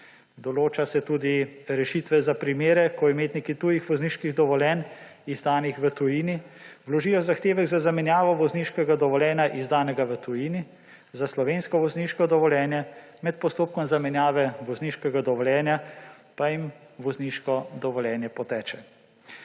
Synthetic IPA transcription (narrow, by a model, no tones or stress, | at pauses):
d̪ɔloːt͡ʃasɛt̪uːd̪iɾɛʃit̪ʋɛzapɾimeːɾɛkɔimeːt̪nikit̪uːjixʋɔzniːʃkiɣd̪ɔʋɔljɛːnizd̪aːnixʋət̪ujiːniwlɔʒiːjɔzaxt̪eːʋɛɣzazamɛnjaːʋɔʋɔzniːʃkɛɡad̪ɔʋɔljɛːnjaʔizd̪aːnɛɡaʋət̪ujiːni | zaslɔʋeːnskɔʋɔzniːʃkɔd̪ɔʋɔlʲjɛːnjɛ | mɛt̪̚pɔst̪oːp̚kɔmzamɛnjaːʋɛʋɔzniːʃkɛɡad̪ɔʋɔljɛːnja | pajim | ʋɔzniʃkɔd̪ɔʋɔljɛːnjɛpɔt̪ɛːt͡ʃɛ